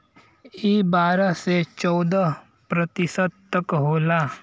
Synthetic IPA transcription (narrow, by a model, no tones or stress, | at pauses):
iːbaːɾaset͡ʃɔːd̪a | pɾət̪ɪsəd̪̚t̪ɐkɦoːlaː